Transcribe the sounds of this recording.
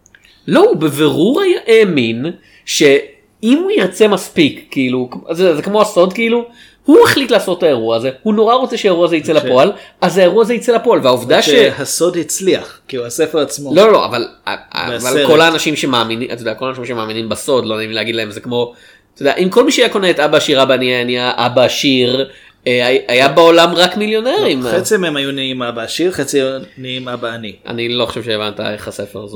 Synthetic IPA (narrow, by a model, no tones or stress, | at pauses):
lo̞ubeveʁuʁajaʔeːmin | ʃe̞ | imujiʁt͡se̞maspikːiilukatod̪eazekmo̞aso̞d̪kiilu | huaχlitlaːso̞taeʁuaːze̞huno̞ʁaʁo̞t͡se̞ʃeaeʁuazeit͡selapo̞alazhaeʁuazeit͡selapo̞alvehauvd̪aʃehaso̞dhit͡sliaχkiːluasefeʁat͡smolo̞olo̞̰a̰valaavalko̞laːnaʃimʃe̞maːminiʔatojd̪ɛako̞lanaʃimʃemaːminimbaso̞d̪lonaimleːɡid̪laemzekmo̞ | t̪ʰodeaʔimko̞lmiʃeajako̞neet̪abaːʃiʁabaːniaaniaʔabaːʃiʁ | eaajabeo̞lamʁakmiljo̞neʁimet͡simemajuniimabaːʃiʁχet͡sijuniimabaːniʔa̰niloχḁʃevʃeːvant̪a̰e̞χhasefeʁzo